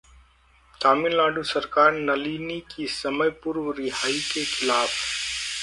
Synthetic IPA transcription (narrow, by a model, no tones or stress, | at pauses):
t̪aːmɪnlaːɖusɐɾkaːɾnɐliːnikisɐməjpʊɾwɾɪɦaːikexʰɪlaːf